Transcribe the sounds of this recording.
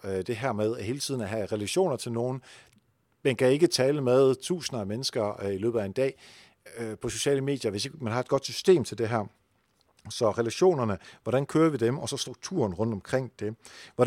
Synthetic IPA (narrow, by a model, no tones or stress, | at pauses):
d̥e̝ɦæɐ̰með̞ˠæɦe̝ːlət͡sʰið̰ˠn̩æɦæʁɛlæɕo̝̰ːnɐt͡sʰe̝lno̝ːn̩ | menkʰæe̝ɡ̥ət͡sʰɛːləmeð̞ˠt͡sʰṵːsnɐæmenəsɡ̥ɐilø̰ːb̥ð̩ˠæe̝nd̥ɛ̰ː | pʰɒ̽so̝̥ɕɛ̰ːləme̝̰ːd̥jɐʋe̝se̝ɡ̥mænɦhɑ̈e̝d̥̚ɡɒ̽d̥sysd̥e̝̰ːmt͡sʰe̝ld̥e̝ɦæɐ̰ | sɒ̽ʁɛlæɕo̝̰ːnɐnəʋɒɾ̥ænkʰøːɐʋid̥emɒ̽sɒ̽sd̥ʁuɡ̥̚t͡sʰṵɐnʁɔ̽n̰d̥ɒ̽mkʰʁeŋ̰d̥e̝ʋɒ